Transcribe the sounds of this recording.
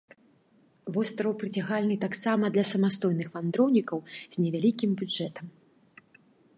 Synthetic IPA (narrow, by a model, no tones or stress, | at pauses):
vɔst̪ɾɐwpɾɨt͡sʲaɣalʲnɨt̪aksamɐd̪lʲɐsɐmast̪ɔjnɨxvand̪ɾɔwnʲikɐwz̥ʲnʲɛvʲalʲikʲimbʲud͡ʐɛt̪ɐm